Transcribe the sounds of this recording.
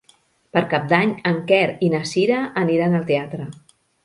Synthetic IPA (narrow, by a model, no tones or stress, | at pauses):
pəɾkap̚d̪aɲəŋkɛɾinəsiɾəʔːniɾanəlˠt̪eat̪ɾə